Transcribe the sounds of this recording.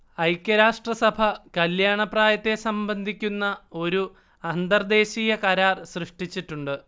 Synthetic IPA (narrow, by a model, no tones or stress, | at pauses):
ɐjkʲːɐɾaːʂʈrɐsɐbʱɐkɐljaːɳɐpraːjɐt̪ːe̞sɐmbɐnd̪ʱikʲːunːɐo̞ɾu | ɐnd̪ɐrd̪e̞ːɕiːjɐkɐɾaːrsrɨʂʈit͡ɕːiʈːuɳɖɨ